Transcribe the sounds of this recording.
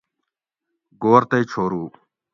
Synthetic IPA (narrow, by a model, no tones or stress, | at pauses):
ɡoːɾt̪ɐit͡ɕʰoːɾuː